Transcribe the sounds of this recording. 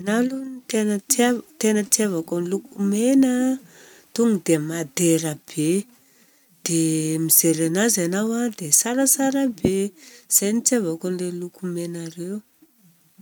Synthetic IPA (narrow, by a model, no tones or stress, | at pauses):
analunit̪enəat̪enət̪iavakanilukumenə | t̪uŋud̪emad̪eɾab̥e | d̪̥emiz̥eɾanazanawad̪esaɾəsaɾabez̥ajnit͡siavakanlelukumenaɾew